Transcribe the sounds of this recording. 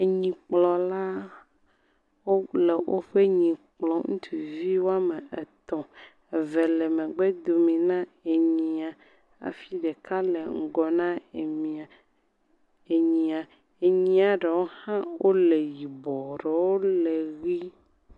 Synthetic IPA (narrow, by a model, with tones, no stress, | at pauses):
e˨ɲĩ˨k͡plɔ˨la˦ | wo˦le˨wʔo̰˦ɸe˦ɲĩ˨k͡plɔ̃˨ŋṵ̃˦t̪ʰu˨vi˦wo˦a˦me˨e˨t̪ɔ̃˨ | e˨ve˨le˨mẽ˨ɡ͡be˦d̪o˨mĩ˨nã˦e˨ɲĩ˨a˨ | a̰˨fi˦ɖe˨ka˦le˨ŋ̩˨ɡɔ˨nã˦e˨mĩ˨a˨ | e˨ɲĩ˨a˨ | e˨ɲĩ˦a˨ɖe˨wo˦hã˦wʔo˦le˨ji˨bɔ˨ɖe˨wo˦le˨ɣi˦